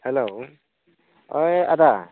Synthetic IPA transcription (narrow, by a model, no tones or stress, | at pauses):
hɛlow | oja̰da